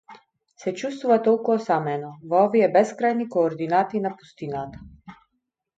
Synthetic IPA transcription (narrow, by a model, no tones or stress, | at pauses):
sɛt͡ʃust̪vuvat̪ɔlˠkuɔsamɛnɔvɔɔviɛbɛskɾajnikɔːɾd̪inat̪iːnapu̥st̪inat̪a